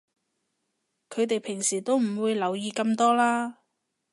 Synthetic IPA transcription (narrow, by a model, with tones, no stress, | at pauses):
kʰɵ˨˧t̪e˨jpʰɪ˨˩ŋsiː˨˩t̪o˥wm̩˨˩wuː˨˧jlɐ˨˧wjiː˨˧kɐ˧mt̪ɔː˥laː˥